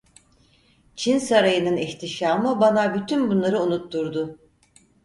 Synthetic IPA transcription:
t͡ʃʰinsaɾajɯnɯniçt̪ʰiʃaːmɯbanabyt̪ʰynbunlˠaɾɯunut̪ʰːuɾd̪ʊ

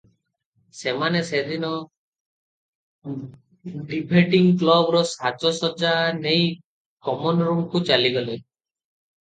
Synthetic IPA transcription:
semanesed̪inɔ | ɖibʱeʈiŋklɔbɾɔsat͡ʃɔsɔd͡ʒanej | kɔmɔnɾuŋkut͡ʃaliɡɔle

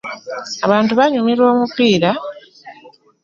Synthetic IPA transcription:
aβaːntuβaɲumiɾwo̞ːmupiːɾa

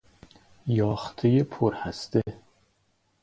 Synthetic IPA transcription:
jɒːχt̪ʰejepʰoɾhæst̪e

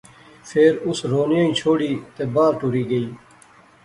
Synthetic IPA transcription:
pʰeːɾʊsɾoːnjãːĩːt͡ʃʰoːɽiːt̪eːbaːɾʈʊɾiːɡəiː

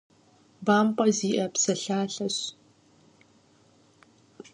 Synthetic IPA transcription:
baːmqʷʼɐziːʔɐpsɐɬaːɬɐɕ

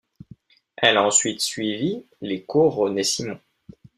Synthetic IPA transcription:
ɛlɑ̃sɥit̪sɥivi | lekuʁonesimɔ̃

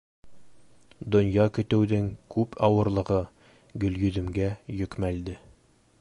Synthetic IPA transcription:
d̪ŏnjɑkɵ̆t̪ɘ̆wðɘŋkʉpʰɒwɤ̆ɾlˠɤ̆ʁɤ | ɡɵ̆ljɵ̆ðɵ̆mɡæjɵ̆kmæld̪ɘ

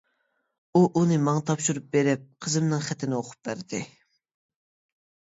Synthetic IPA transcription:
uʔunɨmɑŋt̪ʰɑpʃuɾup̚beɾɪp̚qʰəzɨmnɨŋχɛt̪ʰɪnɪoqʰʊ̥p̚bæɾd̪̥ɪ

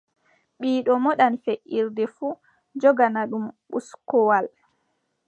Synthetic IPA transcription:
ɓiːɗɔmɔɗanfeʔiɾdɛfu | d͡ʒɔɡanaɗumɓuskɔwal

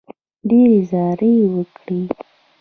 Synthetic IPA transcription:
ɖeɾezɑɾəwəkɽi

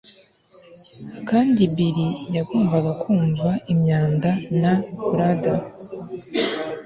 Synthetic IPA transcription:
kaːndibiɾijaɡuːmbaɡakʰuːɱvaʔimɲaːndanakuɾada

